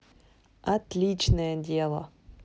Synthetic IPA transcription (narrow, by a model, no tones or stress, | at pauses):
at̪lʲit͡ɕnəjədʲelˠə